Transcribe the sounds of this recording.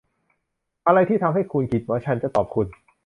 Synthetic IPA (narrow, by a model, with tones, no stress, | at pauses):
ʔa˧ɾa˧jt̪ʰiː˥˩t̪ʰa˧mɦa˥˩jkʰu˧nkʰi˨˩t̪̚waː˦˥˩t͡ɕʰa˦˥nt͡ɕa˨˩t̪ɔː˨˩p̚kʰu˧n